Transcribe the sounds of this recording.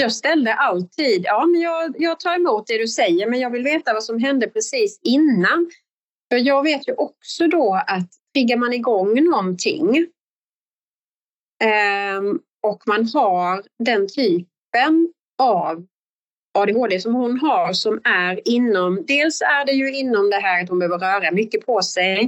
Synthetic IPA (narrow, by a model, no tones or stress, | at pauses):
jɑːɡst̪ɛld̪əʔalt̪ʰiːd̪jɑːmɛnjɑːɡjɑːɡ̚t̪ʰɑːɾɛmuːt̪̚d̪ɛd̪ɵsɛjːəɾmɛnjɑːɡvɪlveːt̪avasɔmɦɛnd̪əpʰɾɛsiːsɪnːan | fœɾjɑːɡveːt̪jɵʔɔksɔd̪ɔat̪ʰːɾɪɡːaɾmanɪɡɔŋːnɔnt̪ʰɪ̰ŋ | ɔkmanɦaɾd̪ɛnt̪ʰyːp | ən | av | ɑːd̪ɛɦoːd̪esɔmhʊnɦaɾsɔmæɾɪnːɔmd̪eːlsæɖɛjɵɪnːɔmd̪ɛɦæːɾat̪hʊnbəøːvəɾœːɾamʏkːəpʰɔsɛj